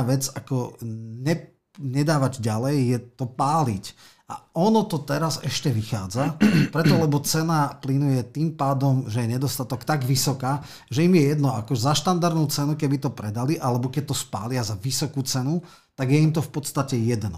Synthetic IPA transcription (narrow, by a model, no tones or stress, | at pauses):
ʋɛd͡zakɔɲɛ | ɲɛd̪aːʋaɟɟalɛjːɛt̪ɔpaːlic | a̰ʔɔnɔt̪ɔt̪ɛɾazɛʃcɛʋixa̰ːd͡zapɾɛt̪ɔlɛbɔt͡sɛnaplinujɛt̪iːmpaːd̪ɔmʒɛjɛɲɛd̪ɔst̪at̪ɔkt̪aɡʋisɔkaː | ʒɛimjɛjɛd̪nɔakɔzaʃt̪and̪aɾd̪nuːt͡sɛnukɛbit̪ɔpɾɛd̪aliʔalɛbɔkɛc̚t̪ɔspa̰ːlɪazaʋisɔkuːt͡sɛnu | t̪aɡjɛimt̪̬ɔfpɔt̪st̪acɛjɛd̪nɔ